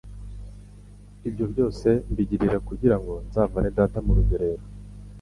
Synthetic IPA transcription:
ibɟo̞bɟo̞ːse̞mbiɟiɾiɾakuɟiɾaŋɡo̞nzaːvanedaːtamuɾuɡoɾe̞ɾo

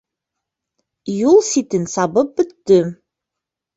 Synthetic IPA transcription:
julˠsit̪ɘnsɑbɤp̚bɵ̆t̪ːɵ

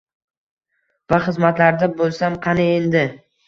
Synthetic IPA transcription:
vaχɨzmat̪laɾd̪abolˠsamqʰɑnɪend̪ɪ

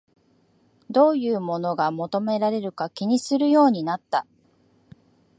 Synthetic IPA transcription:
d̪o̞ːjɯ̟ːmo̞no̞ɡamo̞t̪o̞me̞ɾaɾe̞ɾɯ̟kakʲiɲ̟isɨɾɯ̟jo̞ːɲ̟inat̪ːa

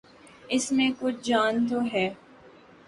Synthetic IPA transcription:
ɪsmẽkʊt͡ʃʰd͡ʒaːnt̪oɦɛː

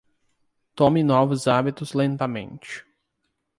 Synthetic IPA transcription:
t̪õmɪnɔvʊzabit̪ʊzlẽnt̪ɐmḛ̃nt͡ʃɪ̥

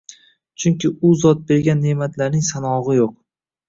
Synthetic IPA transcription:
t͡ʃʰʊŋkʲɪʔʊzɒt̪̚be̞ɾɡʲanːe̞mat̪ʰlaɾnɪŋsanɒʁɨjoq̚

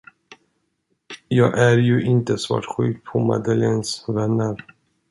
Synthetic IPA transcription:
jɑːɡʔæɾjɵʔɪnt̪əsvɑ̰ːʈɧʉ̟ːk̚pʰɔma̰d̪əlensvɛnːəɾ

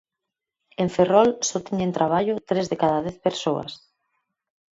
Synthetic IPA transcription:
eɱferɔlsɔt̪iɲent̪ɾaβ̞aʎʊt̪ɾezðekaðaðɛθpeɾsoɐ̰s

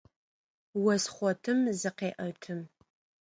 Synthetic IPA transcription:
wɐsχʷɔtʰɨmzɨqeːʔɐtʰɨm

